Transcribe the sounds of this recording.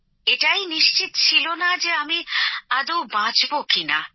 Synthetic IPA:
eʈajniʃt͡ɕit̪t͡ɕʰilonad͡ʑeamiad̪owbãd͡ʑbokina̰

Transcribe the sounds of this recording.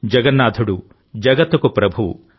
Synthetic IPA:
d͡ʒɐɡɐnːaːd̪ʰʱuɽu | d͡ʒɐɡɐt̪ːukupɾɐbʱu

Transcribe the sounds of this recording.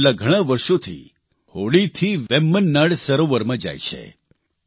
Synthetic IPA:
lːaɡʱəɽ̃ãʋəɾʃot̪ʰḭ | hoɭit̪ʰiʋʋɛmːənːaɽsəɾoʋəɾmãd͡ʒa̰jt͡ʃʰḛ

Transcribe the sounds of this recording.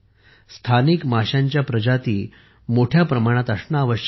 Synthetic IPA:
st̪ʰanikmaɕjaɲt͡ɕjapɾəd͡ʑat̪iː | moʈʰjapɾəmaɽ̃at̪əsnaːʋəɕ

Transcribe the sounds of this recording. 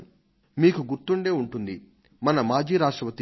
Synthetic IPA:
miːkuɡuɾt̪uɳɖe̞ːuɳʈund̪i | mɐnɐmaːd͡ʒiːɾaːʂʈɾɐʋɐt̪i

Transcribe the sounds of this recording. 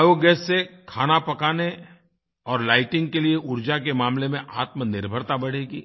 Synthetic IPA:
joɡɛːsːekʰaːnapɐkaːne | ɔːɾlaːɪʈɪ̃ŋɡkelieʔʊɾd͡ʒak̬emaːmlemẽʔaːt̪mənɪɾbʱəɾt̪abɐɽ̤eːɡiː

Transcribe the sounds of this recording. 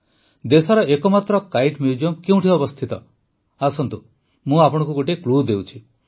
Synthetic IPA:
d̪esaɾɔʔekɔmat̪ɾɔkajʈmid͡ʒɔmkeũʈʰiɔbɔst̪ʰit̪ɔ | asɔnt̪u | mũapɔɽ̃ɔ̃ŋkuɡoʈiklud̪ewt͡ʃʰi

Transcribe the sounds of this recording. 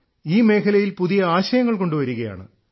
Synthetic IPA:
iːme̞ːkʰɐlɐjilpuðijɐaːɕɐjɐŋːɐɭko̞ɳɖuʋɐɾuɣɐja̰ːɳɨ̰

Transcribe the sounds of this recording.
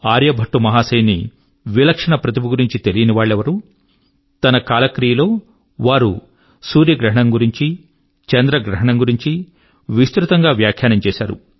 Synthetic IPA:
aːɾjɐbʱɐʈːumɐɦaːsɐjnːi | ʋilɐkʂɐɳɐpɾɐt̪imuɡuɾiɲt͡ʃit̪e̞lijɐniʋaːɭːɛʋɐɾu | t̪ɐnɐkaːlɐkɾijɐlo̞ː | ʋaːɾu | suːɾjɐɡɾɐɦɐɳɐmɡuɾiɲt͡ʃi | t͡ʃɛnd̪ɾɐɡɾɐɦɐɳɐŋɡuɾiɲt͡ʃi | ʋist̪ɾut̪ɐŋɡaːʋjaːkʰjaːnɐmt͡ʃɛːsaːɾṵ

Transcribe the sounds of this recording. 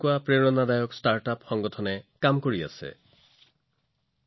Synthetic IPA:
kuapɹeɹɔnadajɔkstaɹtapxɔŋɡɔtʰɔnɛkamkoɹia̰sɛ̰

